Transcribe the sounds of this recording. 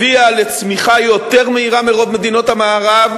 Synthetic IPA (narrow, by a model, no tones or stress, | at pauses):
iale̞t͡smiχajo̞t̪e̞ʁmeiʁameʁo̞dme̞d̪ino̞t̪hamaːʁav